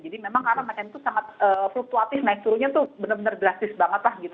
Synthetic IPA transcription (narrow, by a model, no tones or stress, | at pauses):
d͡ʒadimemaŋkarnamat͡ʃanit̪usaŋat̪̚əːfluk̚t̪uat̪ɪfnaɪk̚t̪uɾuɲat̪uhbənərbənərɡɾast̪ɪsbaŋət̪lahɡit̪u